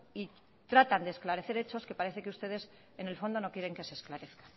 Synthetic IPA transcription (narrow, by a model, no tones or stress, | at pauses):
i | t̪ɾat̪and̪esklaɾe̞θe̞ɾe̞t͡ʃo̞ske̞paɾe̞θe̞keust̪e̞ð̞e̞s | ene̞lfo̞nd̪o̞no̞kjeɾe̞ŋke̞se̞ːsklaɾe̞θkḁ